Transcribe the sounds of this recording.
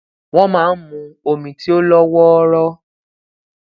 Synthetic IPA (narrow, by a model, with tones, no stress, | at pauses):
w̃ɔ̃˦mãː˦n̩˦mũ˧o˨mĩ˨ti˦o˦lɔ˦wɔ˦ɾɔ˦